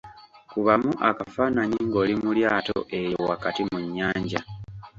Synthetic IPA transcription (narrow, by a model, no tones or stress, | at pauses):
kuβamuʔakafaːnaɲiŋɡo̞ːlimuljaːto̰ʔe̞jowakatimuɲːaːɲɟa